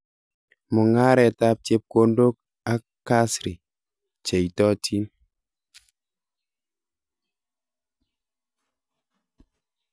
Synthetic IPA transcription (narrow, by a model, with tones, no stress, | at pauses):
mʊ˨ŋa˦ɾɛ˨ta˦p̚t͡ʃe˦p̚ko˦ndo˦k̚ | a˦kkːa˦sɾi˨ | t͡ʃe˨i˨tɔ˦tʰi˦n